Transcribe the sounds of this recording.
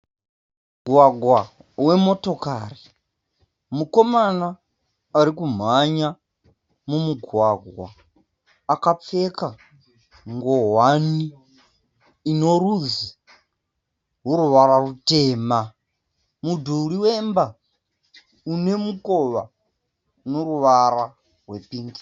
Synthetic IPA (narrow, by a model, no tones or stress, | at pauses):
ɡʱwaɡʱwa | we̞mo̞to̞ka̰ri | muko̞mana | aɾikum̤aɲa | mumuɡʱwaɡʱwa̰ː | kap͡fe̞ka | ŋɡo̞ɦwani | no̞ruzi | ɦuɾuʋaɾarute̞ːma | mudʱuuɾiwemba | une̞muko̞ʋa | noɾuʋaɾa | rwe̞piːŋɡi̥